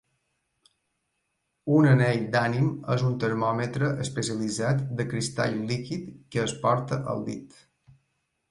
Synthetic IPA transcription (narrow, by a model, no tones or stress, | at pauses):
unəneʎd̪animəzunt̪əɾmɔmət̪ɾəʔəspəsiəlid͡zat̪d̪əkɾist̪a̰ʎlikit̪kəːspɔɾt̪əʔə̰lˠd̪ḭt̪